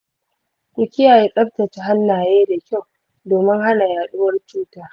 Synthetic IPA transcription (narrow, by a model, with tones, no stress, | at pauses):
kʷʼu˨kʲɪ˦jaː˨jeː˦kʼɐ˦ɸtɐ˨t͡ʃa˦ɦa˦nːaː˨jeː˦da˨kʲa˦˨w | doː˨mɪ˦ŋɦa˦na˨jaː˨ɗʊ˦wɐ˦rt͡ʃuː˦taː˦